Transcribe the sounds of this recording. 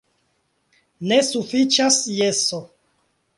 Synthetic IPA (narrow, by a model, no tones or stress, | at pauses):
nesufit͡ʃasjeso